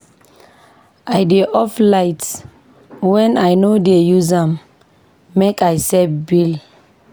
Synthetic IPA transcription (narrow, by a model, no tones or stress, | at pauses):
ʔajdeʔɔflajt | wɛ̃najnodejuzãmː | ekajsɛbil